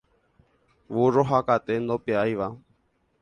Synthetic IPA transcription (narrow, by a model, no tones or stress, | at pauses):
ʋuɾoɦakat̪end̪opeajʋa